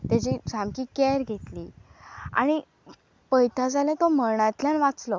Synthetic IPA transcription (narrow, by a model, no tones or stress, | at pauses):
t̪jat͡ɕid͡zamkikɛɾɡʱet̪liːa̰ɽ̃i | pəjt̪ad͡zalẽt̪om̤əɳãt̪ljãnʋat͡slɔ